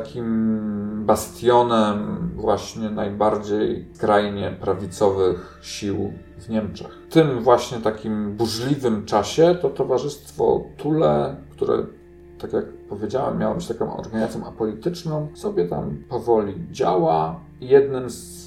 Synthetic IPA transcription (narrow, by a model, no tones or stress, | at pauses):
t̪akʲim | bast̪ʲjɔnɛmvwaɕɲɛnajbaɾd͡ʑejkɾajɲɛpɾavʲit̪sɔvɘx | ɕiw | vɲɛmt͡ʂɛxt̪ɘmvwaɕɲɛt̪akʲimbuʐlʲivɘmt͡ʂaɕɛt̪ɔt̪ɔvaʐɘst̪fɔ̰t̪ʰulɛkt̪uɾɛ̰ | t̪akʲjakpɔvʲjed͡ʑawɛ̰mːjawɔbɘt͡ɕt̪akɔ̃w̃ɔ̰ɾɡaɲzat̪jɔ̃w̃ʔapɔlʲit̪ɘt͡ʂnɔ̃w̃sɔbʲjɛt̪a̰mpɔvɔlʲid͡ʑawa | jɛd̪nɘms